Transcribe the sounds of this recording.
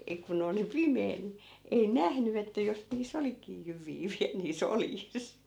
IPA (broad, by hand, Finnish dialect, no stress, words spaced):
ei kun oli pimeː ni ei næhny etːæ jos niːs olikiː jyʋˑiː ʋiæl niːs oljis